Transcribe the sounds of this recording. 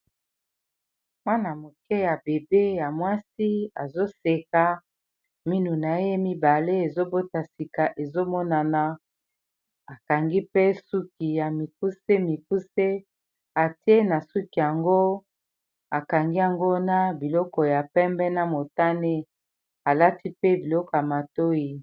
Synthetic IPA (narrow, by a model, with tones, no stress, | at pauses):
mwa˦na˨mo˨kɛ˦ja˨be˨be˦ja˨mwa˦si˦a˨zo˦se˨ka˨ | mi˦nu˨na˨˦je˦mi˦ba˨le˦e˨zo˦bo˦ta˨si˨ka˨ʔe˨zo˦mɔ˦na˨na˨ | a˨ka˨ŋɡi˦pe˦su˦ki˨ja˨mi˨ku˦se˦mi˨ku˦se˦ | a˨te˦na˨su˦ki˨ja˨ŋɡo˦ | a˨ka˨ŋɡi˦a˨ŋɡo˦na˦bi˨lɔ˦kɔ˨ja˨pɛ˦mbɛ˦na˦mo˨ta˦ne˦ | a˨la˦ti˦pe˦bi˨lɔ˦kɔ˨ja˨ma˨to˦ji˨